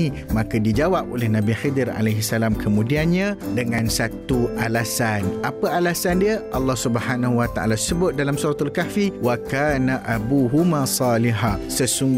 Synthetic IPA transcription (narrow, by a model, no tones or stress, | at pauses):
mãkadid͡ʒawap̚olɛhnãbixid̪əɾa̰leɦisalamkʰəmũdianɲãdəŋãnsat̪uʔalasanʔapəalasandiəʔɑlːɑhsubəhanaɦuwat̪aʔa̰lasəbʊt̪̚dalamsuɾat̪alkafiwakaːnaʔabuɦumasɑːliɦasəsuŋɡ